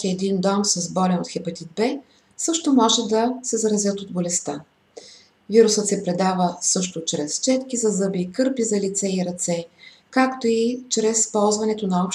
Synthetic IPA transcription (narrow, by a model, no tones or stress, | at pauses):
iɛd̪ind̪ɔmsɐzbɔlɛnot̪xɛpɐt̪ʲid̪̚bɛ | sɤʃt̪omɔʒɛd̪ɐsɛzɐɾɐzʲjɤt̪od̪bolɛst̪a | viɾusət̪sɛpɾɛd̪avəsɤʃt̪ot͡ʃɾɛst͡ʃɛt̪kizɐzɤbikɤɾpizɐlit̪sɛiɾɐt̪sɛ | kakt̪oit͡ʃɾɛspɔlˠzvɐnɛt̪onɐɔp